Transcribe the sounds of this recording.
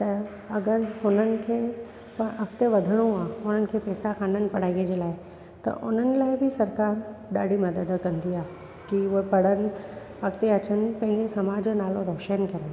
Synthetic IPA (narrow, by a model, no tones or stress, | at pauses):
t̪ɐ | ɐɡəɾhʊn̤ənɪ̆kʰeː | pɐʔɐkt̪eʋɐd̪ʱəɽ̃ũaːʊn̤ənɪ̆kʰeːpɛːsakʰaːnənɪ̆pɐɽ̤aːĩed͡ʑelaːɪ | t̪ɐ̰ʔʊ̰n̤ənɪ̆laːɪbʱɪsɐɾkaːɾɗaːɽ̤ʱimɐd̪əd̪kɐ̃nd̪iaː | kioɦepɐɽ̤ənɪ̆ | ɐkt̪eɐt͡ɕənɪ̆pɐ̃ɦɪ̃ɲd͡ʑesɐmaːd͡ʑonaːlõɾɔːʃənkɐɾə̃